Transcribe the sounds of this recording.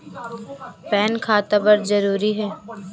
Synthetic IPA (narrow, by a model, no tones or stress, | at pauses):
pɛːnkʰaːt̪abɐɾzɐɾuːɾiɦɛː